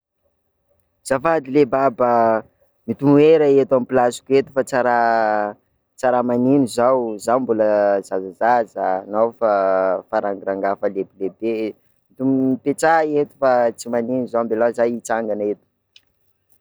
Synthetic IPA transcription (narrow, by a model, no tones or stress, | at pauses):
z̥afad̪ilebabə | mit̪umueɾəet̪amipilasi̥kuet̪u̥fat͡saɾa | t͡saɾamaninizawzawmbuləzazazazənawfafaɾaŋɡiɾaŋɡafəlebilebe | mit̪umpet͡saet̪i̥fat͡simaninizawmbelazajit͡saŋɡanet̪u̥